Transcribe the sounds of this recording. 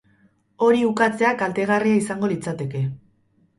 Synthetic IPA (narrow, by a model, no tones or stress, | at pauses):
o̞ɾiukat͡se̞akalt̪e̞ɣ̞ariaisaŋɡo̞lit͡sat̪e̞ke̞